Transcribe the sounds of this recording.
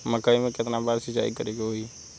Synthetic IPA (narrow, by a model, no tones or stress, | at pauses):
məkaːimẽkɪt̪nabaːɾsət͡ʃa̰ːikəɾeːɡeɦoːi